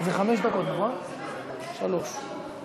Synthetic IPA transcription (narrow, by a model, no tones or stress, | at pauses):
zeχameʃd̪akot̪nʁa | ʃaloʃ